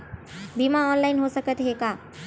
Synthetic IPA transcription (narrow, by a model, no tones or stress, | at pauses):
bimaɔːnlaɪnɦosəkət̪ɦeɡa